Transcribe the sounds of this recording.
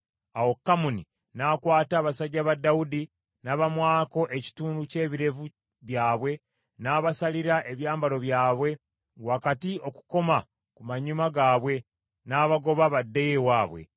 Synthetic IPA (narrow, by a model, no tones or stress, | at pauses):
awo̞kːamuni | nakwaːtaːβasaɟːaβadːaudi | naːβamwaːko̞ʔe̞ci̥tuːnduce̞ːβiɾe̞vu | βjaːβwe̞ | naːβasaliɾaʔe̞βjaːmbalo̞βjaːβwe̞ | wakatio̞ku̥ko̞ma | kumaɲumaɡaːβwe̞ | naːβaɡo̞βaβadːejewaːβwe̞̰